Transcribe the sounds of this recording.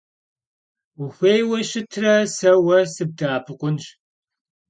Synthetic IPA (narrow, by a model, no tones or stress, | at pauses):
xʷeːjwɐɕɪtʰrɐsɐwɐsɨb̚daːpʰɨqʷʼʊnɕ